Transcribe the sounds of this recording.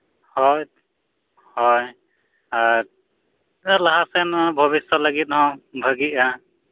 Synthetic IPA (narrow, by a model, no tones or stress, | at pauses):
hɔj | hɔj | aɾ | alaɦasajnabʱʌβisɔlaɡit̪̚ɦɔ̃bʱəɡia